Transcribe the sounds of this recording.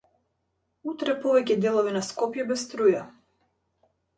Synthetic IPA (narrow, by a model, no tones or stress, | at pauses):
ut̪ɾɛpɔvɛcɛd̪ɛlˠɔvinaskɔpjɛbɛst̪ɾuja